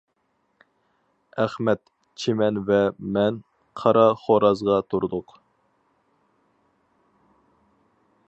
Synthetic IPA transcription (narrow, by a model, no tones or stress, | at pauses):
æχmɛt̪ | t͡ʃʰemɛnvɛmɛn | qʰɑɾɑχoɾɑzʁɑt̪ʰuɾd̪ʊq